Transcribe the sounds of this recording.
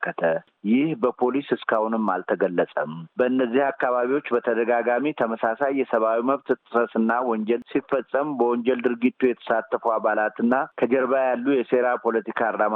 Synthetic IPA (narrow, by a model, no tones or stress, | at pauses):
kːət̪ʰə | jɪhbəpʰo̞lisɨskʰahʊnɨmːalt̪ʰəɡəlːəsʼəmbəɨnːəzːihakːaβaβiwo̞t͡ʃːbət̪ʰəd̪əɡaɡamit̪ʰəməsasajːɛsəβawiməβt̪t̪ʼɨsəsɨnːawɔɲd͡ʒɛlsifəsʼəmbəwɔɲd͡ʒɛld̪ɨɾɡit̪ʰːujɛt̪ʰə̥sat̪ːəfuaβalat̪ɨnːakʰəd͡ʒɛɾβajalːujɛse̞ɾapʰo̞lət̪ikʰaɾlam